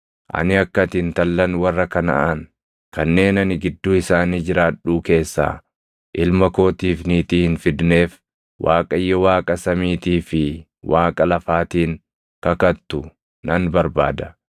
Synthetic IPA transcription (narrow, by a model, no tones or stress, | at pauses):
ʔɐ̰nɪɐkːɐt̪ɪnt̪ɐlːɐnwɐrːɐkɐnɐ̰ʔɐn | kɐnːe̞ːnɐnɪɡɪd̪ːuːɪsaːniːd͡ʒɪɾaːᶑuːke̞ːsːa̰ː | ʔɪlmɐko̞ːt̪iːfniːt̪iːhɪnfɪd̪ne̞ːf | wʔaːkʼɐjːɔwaːkʼɐsɐmiːt̪iːfɪ | wʔaːkʼɐlɐfaːt̪iːŋ | kɐkɐt̪ːʊ | nɐnbɐɾba̰ːd̪ɐ